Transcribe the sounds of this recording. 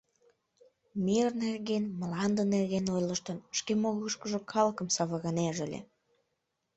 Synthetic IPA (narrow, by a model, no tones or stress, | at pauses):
mirnerɣenmlɑnd̪ənerɣenojləʃt̪ənʃkemoɣəʃkəʒokʰɑlkəmsɑβəɣɑneʒəlʲḛ